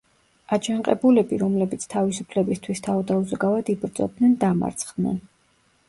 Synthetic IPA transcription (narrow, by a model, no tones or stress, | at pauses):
ad͡ʒaɴqʼɛbulɛbiɾɔmlɛbit̪sʰt̪ʰavisupʰlɛbist̪ʰwist̪ʰavd̪auzɡavad̪ibɾt̪sʼɔ̰dd̪nɛnd̪ama̰ɾt̪sʰχd̪nɛ̰n